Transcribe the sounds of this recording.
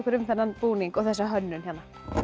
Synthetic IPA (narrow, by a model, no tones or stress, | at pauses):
kʰɛɾʏmθɛnːanpuːniŋkɔɣθɛsːaɦœnːʏnçanːa